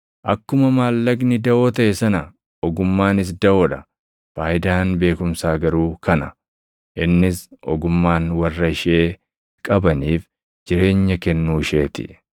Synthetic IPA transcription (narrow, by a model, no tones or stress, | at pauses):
ʔɐkːʊmɐmaːlːɐɡnɪd̪ɐʔo̞ːt̪ɐʔɛsɐnɐ | ɔɡʊmːaːnɪs̬d̪ɐʔoːᶑɐ | faːʔɪd̪aːnbe̞ːkʊmsaːɡɐɾuːkɐnɐ | ʔɪnːɪsʔɔ̰ɡʊmːaːnwɐrːɐɪʃe̞ː | kʼɐbɐniːf | d͡ʒɪɾe̞ːɲːɐkɛnːuːɪʃe̞ːt̪ɪ̰